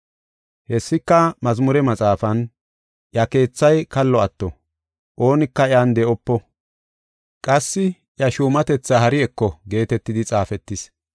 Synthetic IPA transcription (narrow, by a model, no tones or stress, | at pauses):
hɛsːɪkːɐmɐzmʊɾɛmɐt͡sʼaːfɐn | ʔjɐke̞ːt͡sːɐjkɐlːɔɐt̪ːɔ | ʔo̞ːnɪkːɐɪjand̪ɛʔɔpːɔ | kʼɐsːɪ | ʔjɐʃuːmɐt̪ɛt͡sːahɐɾɪɛkːɔɡe̞ːt̪ɛt̪ːɪd̪ɪt͡sʼaːfɛt̪ːɪs